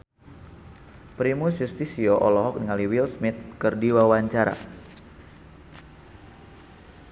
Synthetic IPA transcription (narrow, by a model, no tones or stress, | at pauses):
pɾimusjust̪isioʔɔlɔɦɔk̚niŋaliwilsmit̪̚kərdiwawaɲt͡ʃaɾa̰